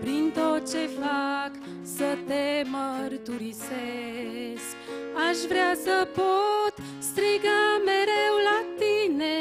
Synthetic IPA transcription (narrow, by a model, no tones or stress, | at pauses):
pɾint̪o̞t̪̚t͡ʃe̞fak | sət̪emərt̪uɾise | sk | aʃvɾeasəpot̪ | st̪ɾiɡameɾewlat̪ine̞